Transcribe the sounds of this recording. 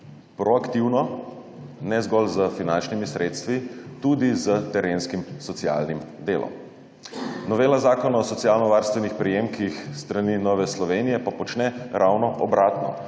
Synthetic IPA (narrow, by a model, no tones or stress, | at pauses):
pɾɔakt̪iwnɔ | nɛzɡɔlzəfinant͡ʃnimisɾeːt̪st̪ʋit̪ud̪izət̪ɛɾenskimsɔt̪sia̰lnimd̪eːlɔ̰m | nɔʋeːlazaːkɔnɔsɔt̪sijaːlnɔʋaɾst̪ʋɛnixpɾijemkixst̪ɾaniːnɔːʋɛslɔʋeːnijɛpapɔt͡ʃnɛɾʔawnɔʔɔbɾʔaːt̪nɔ̰